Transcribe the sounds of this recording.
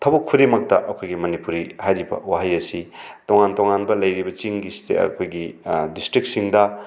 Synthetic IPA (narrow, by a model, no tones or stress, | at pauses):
tʰɐbɐkʰːudemɐk̚tɐʔɐkʰojɡimɐnipuɾihajɾibɐ̰waɦajɐsitoŋantoŋanbɐlɐjɾibɐt͡ʃiŋɡisi̥tḛɐ̰kʰojɡidistɾik̚siŋdɐ